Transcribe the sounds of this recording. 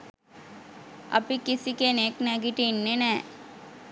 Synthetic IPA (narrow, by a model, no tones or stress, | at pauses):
ɐ̰pikːisikːeneknɛɡiʈːinːenɛ